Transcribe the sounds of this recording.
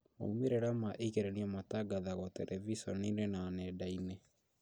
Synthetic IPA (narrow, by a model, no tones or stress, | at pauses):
mo̰umeɾeɾamaʔekeɾɛniamataɡaðaɣɔtɛɾʔɛvisɔninenanɛdainɛ